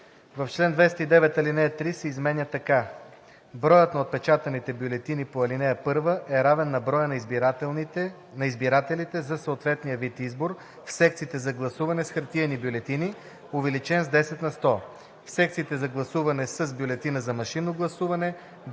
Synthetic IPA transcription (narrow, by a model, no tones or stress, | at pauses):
vɐft͡ʃlɛnd̪vɛst̪əid̪ɛvɛt̪ɐlinɛjət̪ɾisɛizmɛnʲjət̪ɐka | bɾɔjət̪nɐot̪̚pɛt͡ʃat̪ɐnit̪ɛbjolɛt̪inipoɐlinɛjəpɤɾvəʔɛɾavɛnːɐbɾɔjən | nɐizbiɾat̪ɛlit̪ɛzɐsɐot̪vɛt̪nijəvit̪izboɾ | fsɛk̚t̪sit̪ɛzɐɡlˠɐsuvɐnɛsxɐɾt̪iənibjolɛt̪ini | ovɛlit͡ʃɛnzd̪ɛsɛt̪nɐst̪ɔ | fsɛkt̪sit̪ɛzɐɡlˠɐsuvɐnɛsəzbjolɛt̪inəzɐmɐʃinːoɡlˠɐsuvɐnɛ